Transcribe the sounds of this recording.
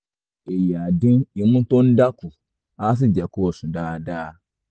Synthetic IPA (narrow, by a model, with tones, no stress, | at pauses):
e˨ja˨dĩ˦ni˨mũ˦to˦n̩˦da˦ku˨ | a˦s̬i˦d͡ʒɛ˨ko˦˨sũ˨daː˦˨daː˦